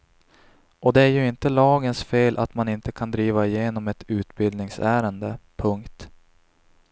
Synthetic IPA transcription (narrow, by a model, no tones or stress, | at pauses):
ɔd̪ɛæɾjɵɪnt̪əlɑːɡənsfeːlʔat̪manɪnt̪əkʰand̪ɾiːvaɪjeːnɔmɛt̪ʰʉ̟ːt̪bɪld̪nɪŋsæːɾənd̪əpʰɵŋkt̪